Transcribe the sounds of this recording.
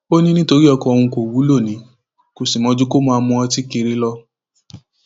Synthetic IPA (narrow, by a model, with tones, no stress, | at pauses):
o˦nĩ˦nĩ˦to˧ɾi˦ɔ˧kɔ˧ɔ˧w̃ũ˧ko˨wu˨˦lo˦˨nĩ˨˦ | ko˨si˨mɔ̃˨˧˦d͡ʒu˦ko˦mã˧a˧mũ˧ã˧ti˦ke˧ɾe˦lɔ˦